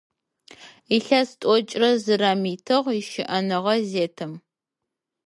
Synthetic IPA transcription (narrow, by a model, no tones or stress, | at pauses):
iɬɐstʼɔt͡ʃʼrɐzɨrɐmiːtʰɨʁiʃɪʔɐnɨʁɐzeːtʰɨm